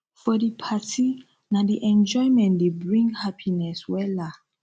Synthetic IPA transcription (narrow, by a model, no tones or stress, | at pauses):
fɔdipʰati | nadiʔɛ̃nd͡ʒɔjmɛ̃ndebɹĩŋɡhapʰinɛswɛla